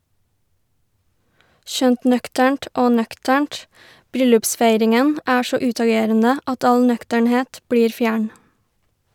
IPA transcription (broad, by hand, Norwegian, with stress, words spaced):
ˈʃœnt ˈnœktæɳʈ ˈoː ˈnœktæɳʈ ˈbɾʏlʉpˌsfæɪɾɪŋən ˈæː ˈsɔ ˈʉːtɑˌɡeːɾənə ˈɑt ˈɑl ˈnœktəɳˌheːt ˈbɽiːɾ ˈfjæːɳ